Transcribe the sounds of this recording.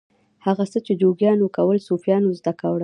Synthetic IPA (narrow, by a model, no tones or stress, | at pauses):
haɣasət͡ʃed͡ʒoɡjɑnwokawəlsofjɑnozd̪akawɽə